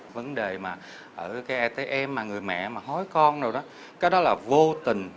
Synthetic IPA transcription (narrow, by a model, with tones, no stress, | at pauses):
və˨˦nɗe˨˩maː˨˩ | ʔəː˧˩kaː˨˦jʔaː˧t̪e˨˦jʔɛ˧mːaː˨˩ŋɨ˨˩əjmɛ̰˧˨maː˨˩ɦɔ˨˦jkɔ˧nzo˨˩jɗɔ˨˦ | kaː˨˦jɗɔ˨˦laː˨˩vo˧t̪ï˨˩ŋ̟